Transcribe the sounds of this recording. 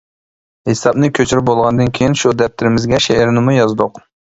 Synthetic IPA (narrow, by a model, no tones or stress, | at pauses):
hesɑbnɨkʲʰøt͡ʃʰyɾɪp̚bolˠʁɑnd̪ɨnkʲʰejinʃud̪ɛp̚t̪ʰɪɾɪmɪzɡʲɛʃeʔeɾnɪmujɑzd̪ʊq